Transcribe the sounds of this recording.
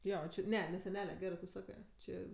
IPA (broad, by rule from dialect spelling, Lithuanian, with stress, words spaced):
ˈjoː ˈt͡ʃʲɪ ˈnʲɛ nʲɛ sʲɛˈnʲæːlʲɛ ˈɡʲæːrɜ tʊ ˈsɑːkɜ ˈt͡ʃʲeː